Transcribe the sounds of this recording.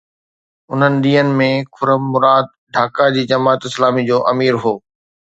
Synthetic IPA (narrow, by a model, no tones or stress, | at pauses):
ʊn̤ənɪ̆ɗ̪iːənɪ̆mẽkʰʊɾəmːʊɾaːd̪̚ɖʱaːkad͡ʑiːd͡ʑɐmaːt̪ɪslaːmid͡ʑoːʔɐmiːɾɦoː